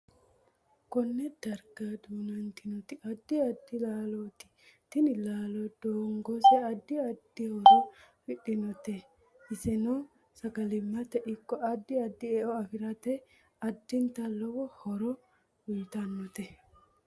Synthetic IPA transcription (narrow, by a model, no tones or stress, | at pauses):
kɔnːɛd̪̥ɐɾɡad̪uːnɐnt̪ɪnɔt̪ɪʔɐd̪ːɪɐd̪ːɪlaːlɔːt̪ɪ̥t̪ɪnɪlaːlɔd̪̥oːŋɡɔsɛɐd̪ːɪɐd̪ːɪhɔɾɔ | fɪɗɪnɔt̪ɛ | ɪsɛnɔ | sɐkɐlɪmːɐt̪ɛʔɪkːɔɐd̪ːɪɐd̪ːɪɛʔɔɐfɪɾɐt̪ɛ | ɐd̪ːɪnt̪ɐlɔwɔhɔɾɔ | ʊlt̪ɐnːɔt̪ɛ